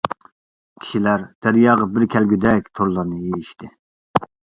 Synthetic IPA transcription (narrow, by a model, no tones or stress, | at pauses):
kʲʰi̥ʃilæɾd̪̥æɾijɑːʁɑbɪɾkʲʰɛlɡʲyd̪ɛk̚ʲt̪ʰoɾlˠɑɾnɨjejiʃt̪ʰɪ